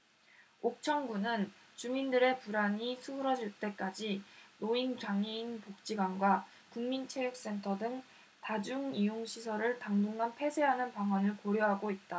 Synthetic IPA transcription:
ok̚t͡ɕʰʌŋɡunɯn | t͡ɕumindɯɾe̞puɾaɲisʰuɯɾʌd͡ʑiɭt͈e̞k͈ad͡ʑinoint͡ɕaŋiinpok̚t͡ɕ͈iɡwanɡwa | kuŋmint͡ɕʰeɾjuk̚s͈e̞ntʰʌdɯŋ | tad͡ʑuŋijoŋɕʰisʰʌɾɯɭtaŋduŋɦanpʰe̞sʰe̞ɦanɯnpaŋanɯɭkoɾjʌɦaɡoit̚t͈a

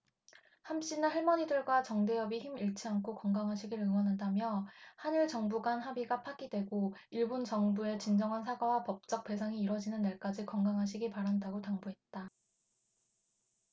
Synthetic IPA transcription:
hamɕ͈inɯɦeɭmʌɲidɯɭɡwat͡ɕʌŋde̞jʌbiçimiɭt͡ɕʰiankʰokʌŋɡaŋɦaɕʰiɡiɾɯŋʌnɦandamjʌhaniɭt͡ɕʌŋbuɡanɦabiɡapʰaɡidwe̞ɡoiɭbont͡ɕʌŋbue̞t͡ɕind͡ʑʌŋɦansʰaɡawapʌp̚t͡ɕ͈ʌk̚p͈e̞s̬ʰaŋiːɾwʌd͡ʑinɯnːe̞ɭk͈ad͡ʑikʌŋɡaŋɦaɕ̬ʰiɡipaɾandaɡotaŋbuɦe̞t̚t͈a

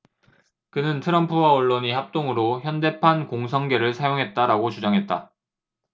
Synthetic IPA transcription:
kɯnɯntʰɯɾʌmpʰuwaʌɭːoɲihap̚t͈oŋɯɾoçjʌnde̞pʰankoŋs̬ʰʌŋɡe̞ɾɯɭsʰajoŋɦe̞t̚t͈aɾaɡot͡ɕud͡ʑaŋɦe̞t̚t͈a̰

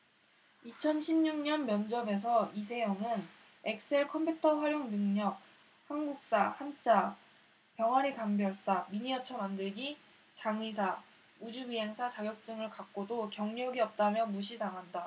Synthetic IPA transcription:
it͡ɕʰʌnɕʰimɲuŋɲʌnmjʌnd͡ʑʌbe̞s̬ʰʌis̬ʰe̞jʌŋɯn | e̞k̚s͈e̞ɭkʰʌmpʰjutʰʌɸwaɾjoŋnɯŋɲʌk̚ | hanɡuk̚s͈ahant͡ɕ͈a | pjʌŋɦaɾitaŋbjʌɭs͈amiɲiʌt͡ɕʰʌmandɯɭɡi | t͡ɕaŋis̬ʰa | ud͡ʑuɥiɦe̞ŋsʰat͡ɕaɡjʌk̚t͡ɕ͈ɯŋɯɭkak̚k͈odokjʌŋɲʌɡiʌp̚t͈amjʌmuɕʰitaŋanda

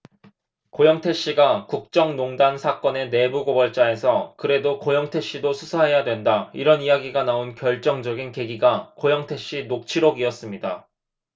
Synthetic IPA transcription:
kojʌŋtʰe̞ɕ͈iɡakuk̚t͡ɕ͈ʌŋnoŋdansʰak͈ʌne̞ne̞buɡobʌɭt͡ɕ͈ae̞sʰʌkɯɾe̞dokojʌŋtʰe̞ɕ͈idosʰusʰaɦe̞jadwe̞ndaiɾʌnijaɡiɡanaonkjʌɭt͡ɕ͈ʌŋd͡ʑʌɡinke̞ɡiɡakojʌŋtʰe̞ɕ͈inok̚t͡ɕʰiɾoɡiʌs͈ɯmɲida

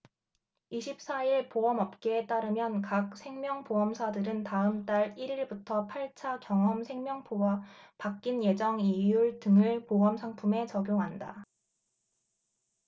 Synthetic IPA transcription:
iɕʰip̚s͈aiɭpoʌmʌp̚k͈e̞t͈aɾɯmjʌnkak̚sʰe̞ŋmjʌŋpoʌmsʰadɯɾɯntaɯmt͈aɾiɾiɭbutʰʌpʰaɭt͡ɕʰakjʌŋɦʌmsʰe̞ŋmjʌŋpʰowapak͈inje̞d͡ʑʌŋijuɭtɯŋɯɭpoʌmsʰaŋpʰume̞t͡ɕʌɡjoŋɦanda̰

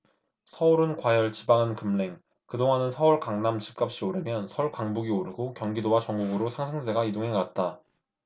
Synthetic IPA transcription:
sʰʌuɾɯnkwajʌɭt͡ɕibaŋɯnkɯmɭe̞ŋ | kɯdoŋanɯnsʰʌɯɭkaŋnamt͡ɕʰi̥p̚k͈ap̚ɕ͈ioɾɯmjʌnsʰʌɭkaŋbuɡioɾɯɡokjʌŋɡidowat͡ɕʌŋɡuɡɯɾosʰaŋsʰaŋd͡ʑe̞ɡaidoŋɦe̞kat̚t͈a

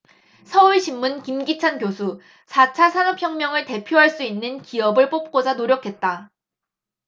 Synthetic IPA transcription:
sʰʌuɭɕʰimːunkimɡit͡ɕʰankjosʰu | sʰat͡ɕʰasʰanʌpʰçjʌŋmjʌŋɯɭte̞pʰjoɦaɭs͈uinːɯnkiʌbɯɭp͈op̚k͈od͡ʑanoɾjʌkʰe̞t̚t͈a

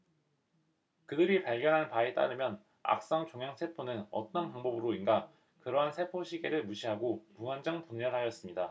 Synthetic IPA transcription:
kɯdɯɾipaɭɡjʌnɦanpaet͈a̰ɾɯmjʌn | a̰k̚s͈ʌŋt͡ɕoŋjaŋsʰe̞pʰonɯnʌt͈ʌnpaŋbʌbɯɾoinɡa | kɯɾʌɦansʰe̞pʰoɕʰiɡe̞ɾɯɭmuɕʰiɦaɡopuŋand͡ʑʌŋpuɲːʌnɦajʌs͈ɯmɲida

